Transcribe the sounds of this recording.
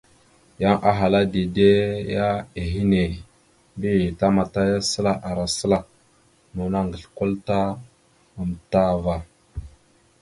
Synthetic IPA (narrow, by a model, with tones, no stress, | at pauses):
ja˦ŋʔa˦ɦa˨la˦de˨de˦ja˦e˨ɦi˦ne˨ | bi˦˨ta˦ma˨ta˦ja˦sə˦la˦˨ʔa˨ɾa˨sə˦la˨ | nu˨na˦ŋɡə˨ɬko˦lta˦ | a˨mta˦va˨